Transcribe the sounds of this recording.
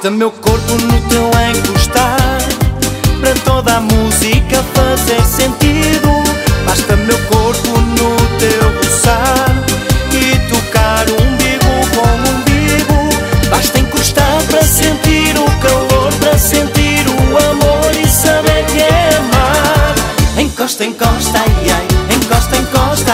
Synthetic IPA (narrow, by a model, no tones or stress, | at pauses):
t̪ɐmewkoɾpunut̪ew̃ẽj̃kuʃt̪aɾpɾɐt̪oðamuzikɐfɐzeɾsẽnt̪iðubaʃt̪ɐmewkoɾpunut̪ewɣusaɾit̪ukaɾũbiɣukõw̃ũbiɣubaʃt̪ɐẽkuʃt̪aɾpɾɐsẽnt̪iɾukɐlˠoɾpɾɐsẽnt̪iɾuɐmoɾisɐβeɾkɨɛɐmaɾẽj̃kɔʃt̪ɐẽkɔʃt̪ɐajẽj̃kɔʃt̪ɐẽkɔʃt̪ɐ